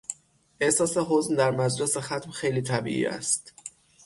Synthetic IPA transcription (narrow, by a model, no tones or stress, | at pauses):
ʔehsɒːseɦozmd̪æɾmæd͡ʒlesexæt̪mxejliːt̪ʰæbḭːʔḭːæ̰st̪